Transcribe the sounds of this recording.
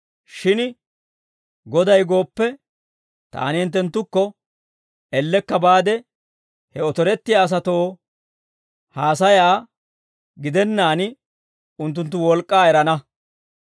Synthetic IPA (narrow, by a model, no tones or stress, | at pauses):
ʃɪn | ɡɔd̪ɐjɡo̞ːpːɛ | t̪a̰ːnɪɛnt̪̬ːɛnt̪ːʊkːɔ | ɛlːɛkːɐbaːd̪ɛ | hɛɔt̪ɔɾɛt̪ːɪjaːs̬ɐt̪o̞ː | haːs̬ɐjaː | ɡɪd̪ɛnːaːnɪ | ʊnt̪̬ːʊnt̪ːʊwɔlkʼːaːɛɾɐnɐ